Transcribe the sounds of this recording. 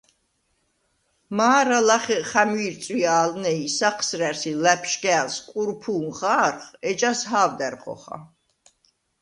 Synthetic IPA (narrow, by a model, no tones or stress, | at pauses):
maːɾalaχɛχamiɾt̪sʼwiaːlnɛisaqʰsɾɛɾsilɛpʰʃɡɛːlskʼuɾpʰuːmχaːɾχɛt͡ʃʼasɦaːvd̪ɛɾχɔ̰χa̰